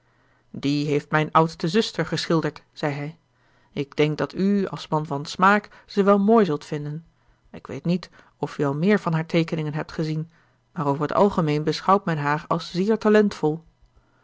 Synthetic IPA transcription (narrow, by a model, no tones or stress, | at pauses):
diɦejftmɛjnʌwtstəzʏstəɹχəsχɪlˠdəɹt | z̥ɛjɦɛj | ɪɡ̚d̥ɛŋk̚dɑtyɑ̰lˠsmɑnvɑnsmaːk | z̥əʋɛlˠmoːjzɵlˠtfɪndən | ɪkʋḛjtnit | ɔfyɑlˠmɪːɹvɑnɦaːɹtʰejkənɪŋənɦɛp̚tχəzin | maːɾowvəɹɦətɑ̰lˠχəmejnbəsχɑwtmɛnɦaːɹɑlˠsz̥ɪːɹtalɛntfɔlˠ